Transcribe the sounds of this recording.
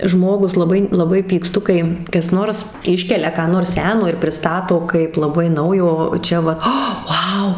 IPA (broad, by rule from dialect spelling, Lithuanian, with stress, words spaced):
ˈʒmoːɡʊs lˠɐˈbɐɪ lˠɐˈbɐɪ pʲiːkˈstʊ ˈkɐɪ kɐs ˈnoːrs ˈɪʃʲkʲɛlʲɛ kɑː ˈnoːrs ˈsʲæːnoː ɪr pʲrʲɪˈstɑːtoː kɐɪp lˠɐˈbɐɪ ˈnɐʊjoː ˈt͡ʃʲɛ ʋɐt ˈɐ ˈʋɐʊ